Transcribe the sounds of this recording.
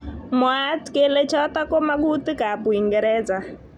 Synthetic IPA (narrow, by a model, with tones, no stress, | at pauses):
mɔ˨a˦tikɛ˦lɛ˦t͡ʃʰa˦t̪a˦kɔ˦ma˦k̬u˦t̪i˦ka˨pu˨i˨ŋɡɛɾɛːd͡za˨